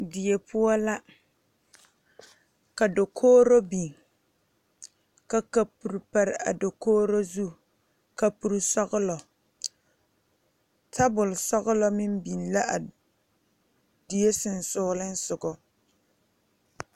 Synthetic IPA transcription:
di˨e˨pʰʊ˦ɔ˦la˦ | ka˨do˨kʰoː˦ɾo˦bi˨n | ka˦ka˦pu˨ɾpa˦ɾɪ˦a̰˨do˨koː˦ɾo˦zu˦˨ | ka˦pu˦ɾsɔ˦ɣʊ˦lɔ˨ | tʰa˦bʊ˨lsɔ˦ɣʊ˦lɔ˦mɪ˦m˦bi˨nla˦ʔa˨ | di˨e˦sɪ˨n̩˦˨sʊː˦lɪ˦n̩˦sʊ˨ɡɔ˨

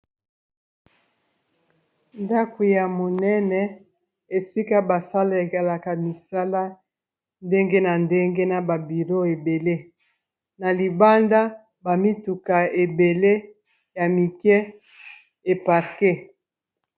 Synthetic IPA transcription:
nda˦ku˨ja˨mo˨nɛ˦nɛ˦ | e˨si˦ka˦ba˨sa˦la˦e˨ka˨la˨ka˨mi˨sa˦la˦ | nde˦ŋɡe˦na˨nde˦ŋɡe˦na˨ba˨bi˨ʁo˦e˨be˨le˦ | na˨li˨ba˦nda˦ | ba˨mi˦tu˨ka˨e˨be˨le˦ | ja˨mi˨kɛ˦ | e˨pa˨ʁke˦

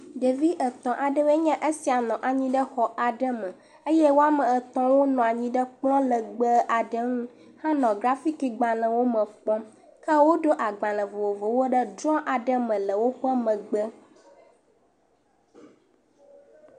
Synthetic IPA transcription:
ɖe˨vi˦ʔə˨t̪ɔ̃˨ʔa˨ɖə˦we˦ɲã˦ʔe˦si˨a˨nɔ̃˨ʔa˨ɲĩ˦ɖə˦xɔ˨ʔa˨ɖə˦mə̃˨ | ə˦jɛ˦wo˦a˦mə̃˨ə˨t̪ɔ̃˦wo˦nɔ̃˨a˨ɲĩ˦ɖə˦k͡plɔ̃˦lə˨ɡ͡bə˦ʔa˨ɖə˦ŋũ˦ | hã˦nɔ̃˨ɡɾa˦fi˦ki˨ɡ͡bã˨lə̃˨wo˦mə̃˨k͡pɔ̃˦m | kə˦wo˦ɖo˦ʔa˨ɡ͡bã˨lə̃˨vo˨vo˨vo˨wo˦ɖə˦d͡ʒɾɔ̃˦ʔa˨ɖə˦mə̃˨lə˨wo˦ɸə˦mə̃˨ɡ͡bə˦

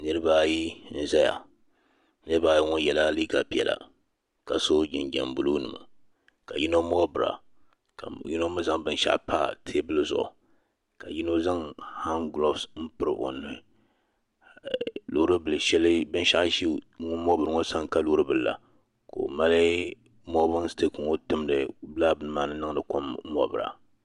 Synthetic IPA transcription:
nɨ˦ɾɨ˦ba˦ji˦n̩˨zɛ˦ja̰˨ | nɨ˦ɾɨ˦ba˦˨ji˦ŋʊ˦jɛ˨la˦li˦ɡa˨pi˨ɛ˨la̰˨ | ka˨so˦d͡ʒɪ˨nd͡ʒa̰˨mbu˦lu˦nɨ̰˨ma̰˨ | ka˨ji˦no˦mo˦bɨ˨ɾa̰˨ | ji˦no˦mɨ˦za˦˨ŋbɨ˦n˦ʃa̰˦ʔpa̰˦tʰe˦bɨ˦lɨ˦zʊ̰˨ʔʊ̰˨ | ka˨ji˦no˦za˦ŋha˦nɡlo˦fsn̩˦pɨ˦ɾɨ˦ʔo̰˨nːo˨˦˨ | lu˨˦ɾɨ˦bɨ˨lɨ˨ʃɛ˦lɨ˦bɨ˦n˦ʃa˦ʔʃi˦ŋʊ˦mo˦bɨ˨ɾɨ˨ŋo˦sa˦ŋka˦lu˦ɾɨ˦bɨ˨lla̰˨ | ko̰˨ma˦lɨ˦ | mo˦bʊ˦n˦ste˦ku˨ŋo˦tɨ˦mdɨ˨bla˦bɨ˨nɨ˦maː˦nɨ˦nɨ˦ŋ˦dɨ˨ko˦mmɔ˦bɨ˨ɾa̰˨

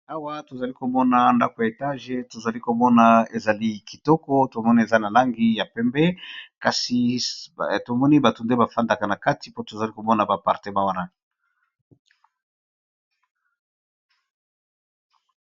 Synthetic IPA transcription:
a˦wa˦to˨za˨li˦ko˨mɔ˦na˨nda˦ko˨ja˨e˨ta˦ʒe˨to˨za˨li˦ko˨mɔ˦na˨e˨za˨li˦ki˨tɔ˦kɔ˦to˨mɔ˦ni˦e˨za˦na˨la˦ŋɡi˦ja˨pɛ˦mbɛ˦ka˨si˨ | to˨mɔ˦ni˦ba˨tu˨nde˦ba˨fa˦nda˨ka˨na˨ka˦ti˨po˦to˨za˨li˦ko˨mɔ˦na˨ba˨pa˨ʁte˦ma˦wa˦na˦

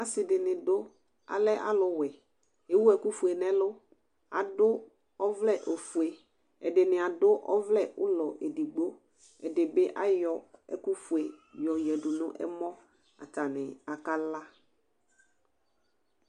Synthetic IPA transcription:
a˨sɪ˨dɪ˨nɪ̃˨dʊ˦ | a̰˨lɛ˦ʔa̰˦lʊ˨wɛ˨ | e˨wu˦ɛ˨ku˦fu˨e˨nɛ̃˦lʊ˦ | a̰˨dʊ˦ | ɔ˦vlɛ˦˨ʔo˨fu˨e˨ | ɛ̰˨dɪ˨nɪ̃˨a˨dʊ˦ʔɔ˦vlɛ˦ʔʊ˦lɔ˨ʔe˨di˨ɡ͡bo˦ | ɛ˨dɪ˨bɪ˦ʔa˦jɔ˨ɛ̰˨ku˦fu˨e˨jɔ˨jɛ˨dʊ˨nʊ̃˦ʔɛ̰˦mɔ̃˦ | a̰˨ta˨nɪ˨a˨ka˦la˦

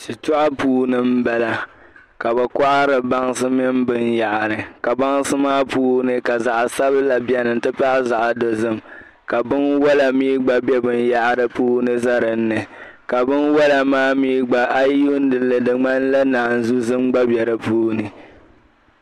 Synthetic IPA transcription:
ʃi˨tʊ˦ʔa˦puː˦nɨ˦m̩˦bɛ˨la˨ | ka˨bɛ˨kɔ˦ʔa˦ɾɨ˨ba˦ŋsɨ˦mɪ˦mbɨ˦nja˨ʔa˨ɾɨ˨ka˨ba˦ŋsɨ˦maː˦puː˦nɨ˦ka˨za˨ʔsa˦bɨ˦la˨bɛ˨˦nɨ˨n̩˦tɨ˦pa˦za˨ʔdo˨zɨ˦m | ka˨bɨ˦nwɔ˦la˨miː˦ɡ͡ba˦bɛ˦bɨ˦nja˦ʔɾɨ˦puː˦nɨ˦za˦ɾɨ˨n̩ː˦ɨ˨ | ka˨bɨ˦nwɔ˦la˨maː˦miː˦ɡ͡ba˨ʔa˦ju˦n˦dɨ˨lːɨ˨dɨ˨ŋ͡ma˦n˦la˦naː˨n˨zu˦zɨ˦mɡ͡ba˦bjɛ˨ɾɨ˨puː˦nɨ˨

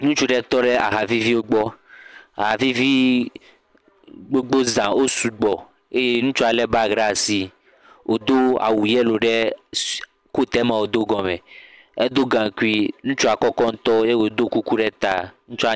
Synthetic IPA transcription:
nũ˦t͡ʃu˦ɖɛ˦t̪ɔ˦ɖɛ˦a̰˨ɦa˨vi˦vi˦wo˦ɡ͡bɔ˦a˨ɦa˨vi˦vi˦ | ɡ͡bo˦ɡ͡bo˦zã˨wo˦su˨ɡ͡bɔ˨ | e˦je˦nũ˦t͡ʃu˦a˨lɛ˦ba˦ɡɾa˦˨si˨ | wʔo˨d̪o˦a̰˨wu˨jɛ˦lo˨ɖɛ˦ | ko˦t̪ɛ˦mã˨wo˨d̪o˦ɡɔ̃˨mɛ̃˨ | e˦d̪o˦ɡã˨ku˦i˦nũ˦t͡ʃu˦a˨kɔ˦kɔ˦ŋ̩˦t̪ɔ˦je˦wo˨˦d̪o˦ku˦ku˦ɖɛ˦t̪a˨nũ˦t͡ʃu˦a˨

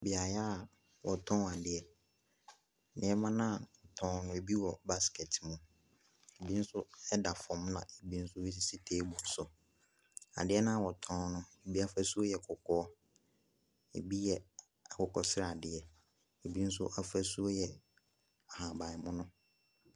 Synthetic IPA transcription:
bɪ˨a˨ja˦˨ | wɔ˨tʰɔ̃˦˨a˨dɪ˨˦ɛ˨ | nɪ̰̃˨ɛ˦mã˦nã˦˨wɔ˨tʰɔ̃˦nʊ̃˦e˨bi˦wɔ˨ba˦skɛ˨tʰmũ˨ | e˨bi˦n̩˦sʊ˦ɛ˦da˨fɔ̃˨mnã̰˨e˨bi˦n̩˦sʊ˦wi˦s̬i˦si˦tʰe˦bũ˨n̩˦sʊ˨ | a̰˨dɪ˦ɛ˦nã˦a˨wɔ˨tʰɔ̃˦nʊ̃˦e˨bi˦a˦fæ˦su˦o˦jɛ˨kʰʊ˨kʰɔː˦ | ḛ˨bi˦jɛ˦ | a˨kʰɔ˨kɔ˨sɪ˦ɾa˨a˨dɪ˨ɛ˨ | e˨bi˦n̩˦sʊ˦ʔa˦fæ˦su˦o˦jɛ˨ | a˨hã˨ba˨mʊ̃˦nʊ̃˦

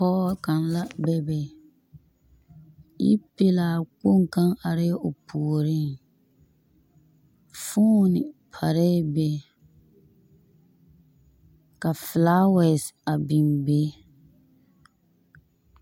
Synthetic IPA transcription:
pɔː˦ka˨nla˦bɛ˦bɛ˨ | ḭ˦pe˦laː˨k͡po˦ŋ˨ka˦ŋa˨ɾɪ˦ʔo˨pʰu˨o˨ɾɪ˦ŋ | fuː˦nɪ˨pʰa˨ɾɛ˦bɛ˦ | ka˨flaː˦wɛ˨sa˨bi˨mbeː˦

